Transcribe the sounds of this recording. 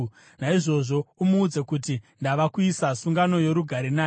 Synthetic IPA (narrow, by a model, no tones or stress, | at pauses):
naiʐo̞ʐo̞umuːd͡zekutindaʋakuisasuŋɡano̞je̞ɾuɡʱaɾena